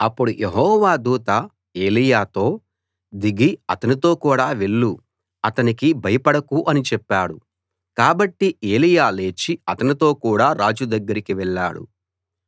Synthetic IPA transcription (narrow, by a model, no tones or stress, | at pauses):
ɐpːuɽujʔe̞ɦɔːʋaːd̪uːt̪ɐ | e̞ːlijaːt̪o̞ː | d̪iɡiɐt̪ɐnit̪o̞ːkuːɽaːʋe̞ɭːu | ɐt̪ɐnikibʱɐjɐpɐɽɐkuʔɐnit͡ʃɛpːaːɽu | kaːbɐʈːiʔe̞ːlijaːle̞ːt͡ʃiɐt̪ɐnit̪o̞ːkuːɽaːɾaːd͡ʒud̪ɐɡːɐɾikiʋɛɭːa̰ːɽṵ